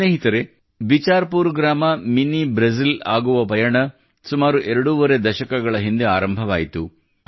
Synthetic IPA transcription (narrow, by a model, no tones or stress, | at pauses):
neːɦit̪ɐɾe̞ | bit͡ʃaːɾpuːɾɡɾaːmɐminːibɾɐs̬ilaːɡuʋɐpɐjɐɳɐ | sumaːɾuʔɛɾɐɽuʋɐɾe̞d̪ɐʃɐkɐɡɐɭɐɦind̪ea̰ːɾɐmbʱɐʋaːjit̪u